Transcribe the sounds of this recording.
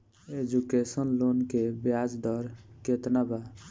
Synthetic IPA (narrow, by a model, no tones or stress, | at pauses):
ed͡ʒukesənlonkebjad͡ʒd̪ɔɾket̪naba